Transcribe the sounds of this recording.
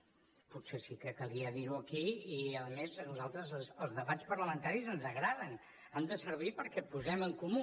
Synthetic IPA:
put̪sesikəkəlˠiəðiɾuəkiiəðəmeznuzalˠt̪ɾəzsəlˠzðəβat͡spəɾləmənt̪aɾizənzəɣɾaðən | amd̪əsəɾβ̞ipəɾkɛpuzɛməŋkumu

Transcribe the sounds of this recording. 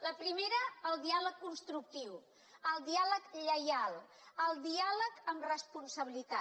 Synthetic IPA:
ləpɾimeɾəːlˠd̪ialəkːunst̪ɾuk̚t̪iw | əlˠd̪ialəkʎəjalˠ | əlˠd̪ialəkəmrəspunsəβ̞ilit̪a

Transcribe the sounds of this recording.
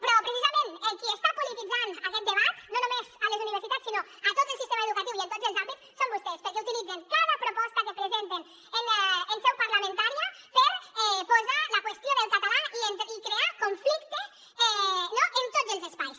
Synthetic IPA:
pɾɔpɾesizamẽnelkiest̪apolit̪id̪d͡zanakɛt̪d̪eβat̪nonumezalezuniβeɾsit̪atsino | at̪ot̪elsist̪ɛmaeðukat̪iwient̪ozelzabit̪ssombust̪ɛspeɾkeut̪ilid̪d͡zent̪oðapɾopɔst̪akepɾezɛnt̪en | enelsɛwpaɾlamẽnt̪aɾjapeɾɛpozalakwest̪joðelkat̪alaient̪ikɾeakoɱflikt̪e | ɛnɔʔent̪od̪zelzespajs

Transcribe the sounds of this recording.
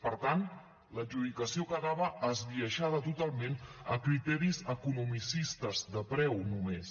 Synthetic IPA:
pəɾt̪an | ləʒuðikəsiokəɣaβəʔːzβiəʃaðət̪ut̪alˠmenə̰kɾit̪ɛɾizəkunumisist̪əzðəpɾɛwnumes

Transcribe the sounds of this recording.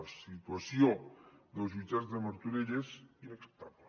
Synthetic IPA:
sit̪uasjod̪elzβit͡ʃazðemoɾt̪uɾeʎesinekst̪ap

